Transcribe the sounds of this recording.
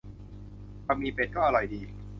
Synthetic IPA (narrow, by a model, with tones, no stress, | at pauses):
kʰa˧mːiː˧pe˨˩t̪̚kɔː˥˩ʔa˧ɾɔ˧jdiː˧